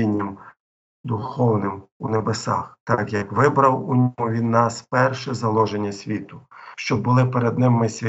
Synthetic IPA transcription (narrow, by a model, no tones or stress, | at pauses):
inʲːim | d̪ʊxɔwnɪmunebesɑ̰xt̪ɑkjɐkʋɪbɾɐwunʲɔmʊʋʲid̪nɑspɛrʃɛzɐlˠɔʒenʲːɐsʲʋʲit̪ʊ̥ʃt͡ʃɔbʊlˠɪpeɾed̪nɪmːɪsʲʋʲ